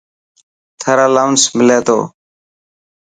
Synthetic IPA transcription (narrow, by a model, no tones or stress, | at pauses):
t̪ʰəɾaːlaʊnsmɪleːt̪o̰ː